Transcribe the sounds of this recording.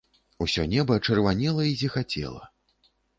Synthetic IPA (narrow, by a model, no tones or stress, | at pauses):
usʲɔnʲɛbɐt͡ʂɐrvanʲɛlˠɐizʲixat͡sʲɛ̰lˠɐ̰